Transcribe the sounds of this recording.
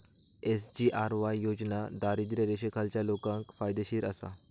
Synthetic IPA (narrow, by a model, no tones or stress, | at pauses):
esd͡ʑiːʔaɾʋajjod͡ʑnad̪aɾid̪ɾəɾeɕekʰalt͡ɕjalokãŋkfajd̪eɕiːɾə̰sa̰